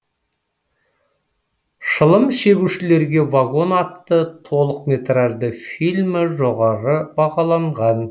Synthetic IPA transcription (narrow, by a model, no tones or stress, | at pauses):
ʃəlˠəmʃe̞ɡʲuʃɪle̞ɾɡʲe̞vaɡo̞nɑt̪ːət̪ʰo̞lˠəqmʲet̪raʒd̪əfilʲmɪʒo̞ʁɑɾəbɑʁɑlˠɑɴʁɑn